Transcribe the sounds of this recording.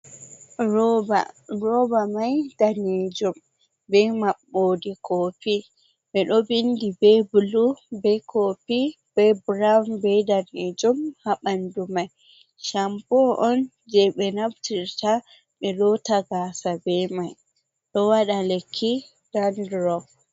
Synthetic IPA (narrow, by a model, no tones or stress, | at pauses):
ɔbaɾɔbamajd̥aned͡ʒɔm | bɛmaɓːodikʰopi | ɓɛɗɔbindibɛbulubɛkʰopi | b̥ɛbɾambɛdaned͡ʒumhaɓandumaj | ʃampɔʔɔn | d͡ʒɛɓɛnaftiɾta | ɓɛɗɔtaɡasabɛmaj | ɗɔwaɗalekʰːi | d̥andɾɔɡ